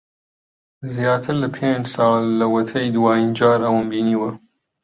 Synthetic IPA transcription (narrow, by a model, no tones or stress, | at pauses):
zjaːt̪ʰɨɾlɐpʰend͡ʒsɑːllɐwɐt̪ʰɐjd̪waːjind͡ʒaːɾɐwɐmbiːniːwɐ